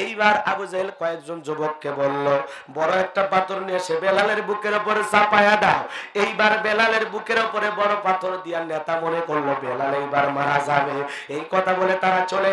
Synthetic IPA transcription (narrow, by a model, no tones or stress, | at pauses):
ejbaɾa̰bud͡ʒaelkɔekd͡ʒond͡ʒobokːebolːo | bɔɾoɛk̚ʈapat̪ʰɔɾniesebelaleɾbukeɾopɔɾsapajad̪aoejbaɾbelaleɾbukeɾopɔɾebɔɾopat̪ʰɔɾd̪ijanɛt̪amɔnekoɾlobelalejbaɾmaɾad͡ʒabe | ejkɔt̪ʰabolet̪aɾat͡ʃole